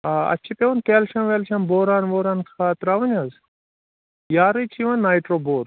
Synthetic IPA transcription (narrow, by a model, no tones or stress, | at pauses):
aɐ̰t͡ʃʰipeʋunt̪eːlʃɐmʋeːlʃɐmboːɾaːnboːɾaːnkʰaːt̪ɾaːʋɐnʲɐz | jaːɾɨt͡ʃʰiʋɐnːaːjʈɾoːboːɾ